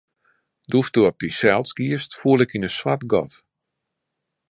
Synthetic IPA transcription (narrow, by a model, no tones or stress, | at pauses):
dustuɔp̚disɛlˠsɡ̥iəstfuəlˠɪkinəswatɡɔ̰t